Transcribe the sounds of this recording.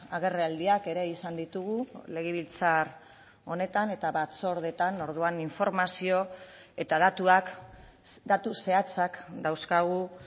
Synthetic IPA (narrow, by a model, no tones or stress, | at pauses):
aɣ̞e̞reald̪iake̞ɾe̞isand̪it̪uɣ̞ule̞ɣ̞eβ̞ilt͡sar | o̞ne̞t̪ane̞t̪aβat͡so̞ɾð̞e̞t̪ano̞ɾð̞uaniɱfo̞ɾmasio̞ | e̞t̪aðat̪uak | d̪at̪use̞at͡sakd̪awskaɣ̞u